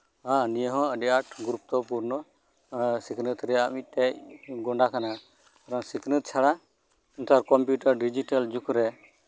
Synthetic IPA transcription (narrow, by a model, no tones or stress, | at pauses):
ãnijəɦɔ̃əɖjaʈɡɾup̚t̪ɔpuɾnɔ | sikʰnɨt̪ɾɛamic̚ˀt̪ɛc̚ɡɔɳɖakana | kaɾɔŋsikʰnɨt̪̚t͡ʃʰaɽa | unt̪aɾkɔmpjuʈəɾɖid͡ʒiʈald͡ʒukʰɾɛ